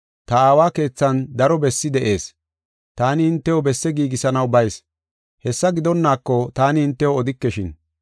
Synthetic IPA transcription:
t̪ɐaːwaːke̞ːt͡sːɐnd̪ɐɾɔbɛsːɪd̪ɛʔe̞ːs | t̪aːnɪhɪnt̪ːɛwɔbɛsːɛɡiːɡɪsɐnɐwbɐjs | hɛsːɐɡɪd̪ɔnːaːkːɔt̪aːnɪhɪnt̪ːɛwɔɔd̪ɪkːɛʃɪn

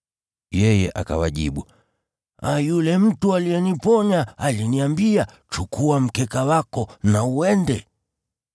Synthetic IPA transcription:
jɛjɛʔa̰ka̰waʄiɓu | ajulɛm̩tualijɛnipɔɲaːliniambia | t͡ʃukuam̩kɛkawakɔnauwɛndɛ

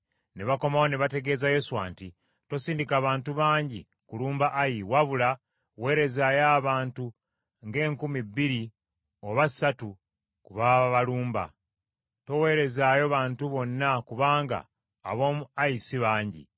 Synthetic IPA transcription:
neβako̞maoneβate̞ɡe̞ːzaje̞suwa̰ːnti | to̞siːndikaːβaːntuβaːɲɟi | kuluːmbaʔajiwaβula | we̞ːɾe̞zajaːβaːntu | ŋɡe̞ːŋkumibːiɾi | o̞βasatu | kuβaaβaluːmba̰ | to̞we̞ːɾe̞zaːjo̞βaːntuβo̞nːakuβaːŋɡa̰ː | βo̞ːmuaisiβaːɲɟḭ

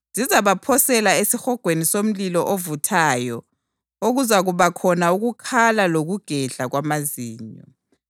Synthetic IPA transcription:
z̥ʱizaβapʰɔsɛlaesixɔɡ̥ʱwenisom̩lilɔʔovutʰaːjɔ | oɣuzaɣuβakʰɔnauɣukʰalaloɣuɡ̥ʱɛɮaɣwamaziːɲɔ̰

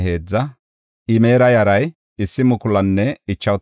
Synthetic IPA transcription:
e̞ːd͡zːɐ | ʔɪmeːɾɐjɐɾɐj | ɪsːɪmʊkʊlɐnːɛɪt͡ʃːɐw

